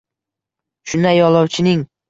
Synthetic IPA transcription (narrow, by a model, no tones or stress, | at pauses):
ʃʊnajɒlˠɒwt͡ʃʰɪnɪŋ